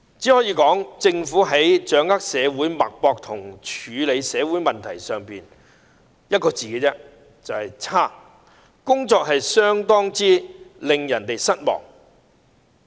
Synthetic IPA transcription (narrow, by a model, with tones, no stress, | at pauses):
t͡si˨˥hɔː˨˥jiː˨˧˥kɔː˨˥ŋt͡sɪ˧ŋfuː˨˥ɦɐ˨˥jt͡ʃœː˨˥ŋɐ˥k̚sɛː˨˧wuː˨˥jmɐ˨k̚pɔː˧k̚t̪ʰʊ˨˩ŋt͡ʃʰyː˨˧le˨˧jsɛː˨˧wuː˨˥jmɐ˨nt̪ʰɐ˨˩jsœː˨ŋpiː˨n | jɐ˥t̚kɔː˧t͡siː˨˩kɛː˧t͡sɛː˥ | t͡sɐ˨whɐ˨jt͡sʰaː˥˩ | kʊ˥ŋt͡sɔː˧k̚ɦɐ˨jsœː˥ŋt̪ɔː˥ŋt͡siː˥lɪ˨ŋjɐ˨˩nt̪e˨jsɐ˥t̚mɔ̰ː˨˩ŋ